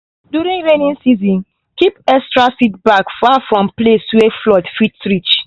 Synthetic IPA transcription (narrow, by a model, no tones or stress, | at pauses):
djuɾĩŋɹenĩnsizĩn | kipɛkstɹasit̚bakfafɹɔ̃mpleswɛflɔtfitsɹit͡ʃ